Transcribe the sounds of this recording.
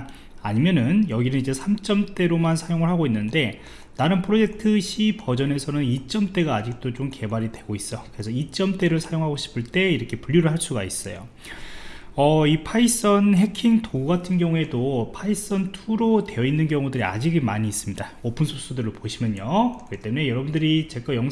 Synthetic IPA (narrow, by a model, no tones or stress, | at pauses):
aɲimjʌnɯnjʌɡinɯnid͡ʑe̞sʰamt͡ɕ͈ʌmt͈e̞ɾomansʰajoŋɯɭɦhaɡoinːɯnde̞ | naɾɯnpʰɯɾod͡ʑe̞k̚tʰɯɕʰipʌd͡ʑʌne̞sʰʌnɯnit͡ɕ͈ʌmt͈e̞ɡaːd͡ʑik̚t͈ot͡ɕomke̞baɾidwe̞ɡois͈ʌjokɯɾe̞sʰʌit͡ɕ͈ʌmt͈e̞ɾɯɭsʰajoŋɦaɡoɕʰi̥pʰɯɭt͈e̞iɾʌkʰepuʎjuɾɯɭɦaɭs͈uɡais͈ʌ̰jo̰ | ʌipʰais͈ʌnɦe̞kʰiŋtouɡatʰɯnɡjʌŋuɦe̞dopʰais͈ʌntʰuɾote̞jʌinːɯnɡjʌŋudɯɾia̰d͡ʑiɡemaɲiːs͈ɯmɲidaopʰɯnsʰos͈udɯɾːopoɕʰimjʌɲjokɯɯt͈e̞mune̞jʌɾʌbundɯɾit͡ɕe̞k͈ajʌŋ